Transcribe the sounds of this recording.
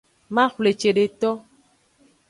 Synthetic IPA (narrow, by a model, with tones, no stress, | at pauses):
mã˦xle˨t͡ʃe˨ɖe˨t̪ɔ˦